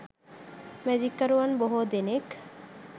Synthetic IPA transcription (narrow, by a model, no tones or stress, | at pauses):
mɛd͡ʒikːɐɾuɐnboɦoːd̪enek